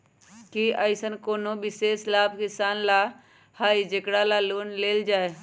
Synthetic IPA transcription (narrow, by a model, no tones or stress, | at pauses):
kiəɪsənkoːnobɪseːslaːbkɪsaːnla | haːid͡ʒekɽalaloːnleːld͡ʒaːe